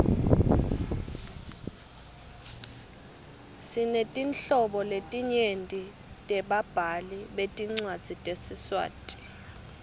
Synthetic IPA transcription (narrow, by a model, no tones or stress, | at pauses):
sinetʼinɬɔɓɔletʼiɲentʼi | tʼɛɓab̥ʱaliɓetʼiŋ͡ǀwad̥z̥ʱitʼesiswa̰ːtʼi̥